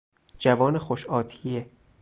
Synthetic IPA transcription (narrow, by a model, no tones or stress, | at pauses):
d͡ʒævɒːnexoʃɒːt̪ʰije